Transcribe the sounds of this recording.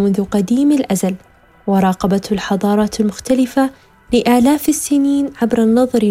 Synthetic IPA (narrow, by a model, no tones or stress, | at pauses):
mʊnðʊqɑd̪iːmɪlʔazal | wɑɾˤɑːqɑbat̪lħɑðˤɑːɾˤɑːt̪ɪlmʊxt̪alɪfa | lɪʔaːlaːfɪsːɪniːnʕabɾˤɑnːɑðˤɑɾ